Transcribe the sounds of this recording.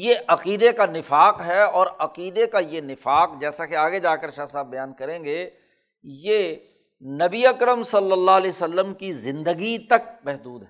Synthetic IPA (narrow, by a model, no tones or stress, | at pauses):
jeʔɐqiːd̪ekanɪfaːqɦɛɔːɾɐqiːd̪ekajenɪfaːqd͡ʒɛːsakeaːɡed͡ʒaːkəɾʃaːsaːbːɐjaːnkɐɾẽːŋɡeː | je | nɐbiɐkɾəmsɐlːəlːaɦlɛːsəlːəmkizɪ̃nd̪əɡit̪ɐk̚mɛɦd̪uːd̪ɦɛ